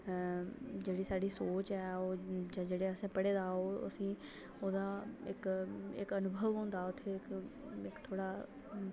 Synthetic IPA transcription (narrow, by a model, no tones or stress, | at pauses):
d͡ʒeːɽiːsaːɖiːsoːt͡ʃɛːoːd͡ʒãːd͡ʒeːɽeːəsẽːpəɽeːd̪aːoːə̰sĩː | oːd̪aːɪkɪ̰kənʊbʱəʋɦõːnd̪aːʊt̪ʰːeːɪkɪkt̪ʰoːɽaː